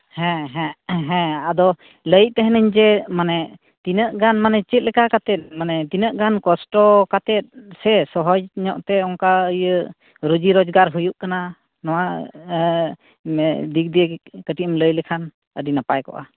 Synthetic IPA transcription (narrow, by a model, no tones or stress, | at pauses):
hɛ̃ɦɛ̃ɦɛ̃ad̪ɔ | ləjʔ̚t̪ɛɦɛnəɲd͡ʒɛmanɛ | t̪inəʔɡanmanɛt͡ʃɛt̪̚lɛkakat̪ɛt̪̚manɛt̪inəʔɡankɔsʈɔkat̪ɛt̪̚sɛsɔɦɔd͡ʒɲɔʔt̪ɛɔŋkaəjə | ɾud͡ʒiɾɔd͡ʒɡaɾɦujuʔkana | nɔwa | d̪ik̚d̪ikəʈimləjlɛkʰan | ədinapajkɔ̰ʔa̰